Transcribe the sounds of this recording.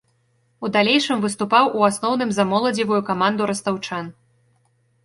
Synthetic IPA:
ud̪alʲeɛjʂɨmvɨst̪upawʔuasnɔwnɨmzɐmɔlˠɐd͡zʲivujukamand̪uɾɐst̪awt͡ʂan

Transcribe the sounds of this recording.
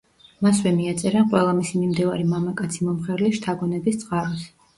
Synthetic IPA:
maswɛmiat̪sʼɛɾaqʼwɛlˠamisimimd̪ivaɾimamakʼat̪sʰimɔmχɛɾliʃt̪ʰaɡɔnɛbist̪sʼqʼaɾɔs

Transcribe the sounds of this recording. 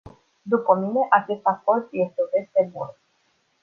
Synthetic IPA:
d̪upəmine̞ʔat͡ʃe̞st̪ako̞rt̪je̞st̪eud̪e̞st̪e̞bun

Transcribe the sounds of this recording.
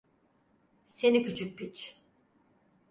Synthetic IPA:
se̞nicyt͡ʃʰyc̚bit͡ʃ

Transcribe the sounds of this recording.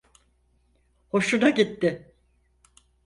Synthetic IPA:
ho̞ʃunaɟit̪ːɪ

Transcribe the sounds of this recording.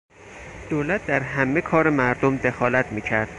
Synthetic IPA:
d̪̥oːlæt̪̚d̪æɾɦæmːekʰɒːɾemæɾd̪omd̪e̞xɒːlæt̪ʰmiːcʰæɾd̪̥̚

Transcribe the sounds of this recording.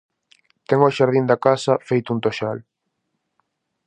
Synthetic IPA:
t̪ɛŋoʃaɾðind̪akasɐfejt̪ʊunt̪oʃal

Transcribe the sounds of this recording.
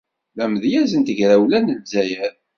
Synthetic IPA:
læməðjæzənt̪əʝɾæwlænəvzæjæð

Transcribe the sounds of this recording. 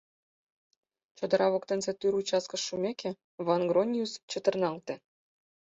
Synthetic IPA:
t͡ɕod̪ɤ̆ɾʔɑβokt̪ə̆nsĕt̪yɾut͡ɕɑskə̆ʃːumʲekʰĕ | βɑnɡronʲijust͡ɕə̆t̪ə̆rnɑlt̪ĕ

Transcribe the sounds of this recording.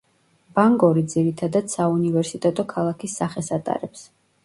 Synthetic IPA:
b̥aŋɡɔɾid̪ziɾit̪ʰad̪ad̪saunivɛɾsit̪ʼɛt̪ʼɔkʰalˠakʰisːaχɛsat̪ʼa̰ɾɛps

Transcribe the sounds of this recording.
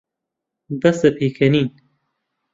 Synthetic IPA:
bɐsd̪ɐpʰeːkʰɐniːn

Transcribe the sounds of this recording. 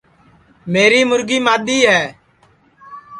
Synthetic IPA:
meːɾiːmʊɾɡiːmaːd̪iːɦɛː

